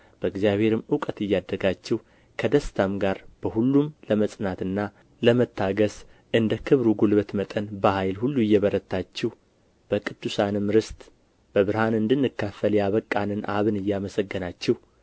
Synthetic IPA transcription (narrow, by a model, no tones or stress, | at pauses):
b̥əɨɡzijaβhe̞ɾɨmukʼət̪ɨjːad̪ːəɡat͡ʃːɛhu | kʰəd̪əst̪ʰamɡaɾb̥əhulːumləməsʼnat̪ɨnːa | ləmət̪ʰːaɡəs | ɨnd̪əkʰɨβɾuɡulβət̪mət̪ʼənbəhajlhulːuɪjːɛβəɾət̪ːat͡ʃːɛh | b̥əkʼɨd̪̥ːusanɨmɾɨst̪ʼ | b̥əβɨɾhanɨnd̪ɨnːɨkːafəljaβəkʼːanɨnʔa̰βɨnɨjːaməsəɡːənat͡ʃːɛh